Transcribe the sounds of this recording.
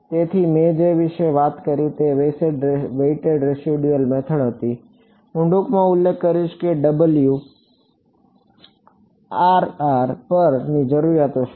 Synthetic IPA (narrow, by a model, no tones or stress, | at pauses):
t̪et̪ʰimẽd͡ʒeʋɪʃeʋat̪kəɾit̪eʋeseɖʋeiʈeɖɾesiɖijəlmɛt̪ʰəɽɦət̪i | ʊ̃ɳɖukmãʊlːekːəɾiʃkeɖəbəlju | aɾaɾpəɾnid͡ʒəɾuɾjat̪oʃʰ